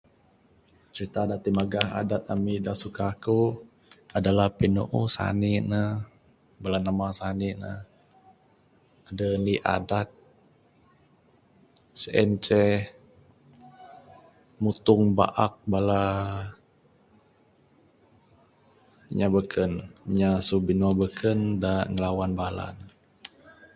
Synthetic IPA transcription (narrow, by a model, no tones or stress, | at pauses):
t͡ʃəɾit̪adat̪imaɡaɦa̰dat̪̚amidasukaku | adalahpinoʔusa̰ninə | balanamasaninə̰ | adəniʔa̰dat̪̚ | səʔɛnt͡ʃɛ | mut̪ʊŋba̰ʔak̚bala | ɲabəkʰənɲasubinuabəkʰəndaŋəlawanbala̰n